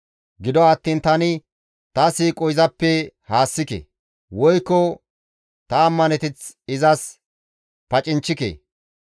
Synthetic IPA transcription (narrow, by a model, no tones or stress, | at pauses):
ɡɪd̪ɔɐt̪ːiːnt̪ɐnɪ | t̪ɐsiːkʼɔjzɐpːɛhaːsːɪkḛ | wɔjkːɔ | t̪ɐːmːɐnɛt̪ɪt͡sɪzɐs | pɐt͡ʃʼɪnt͡ʃːɪkḛ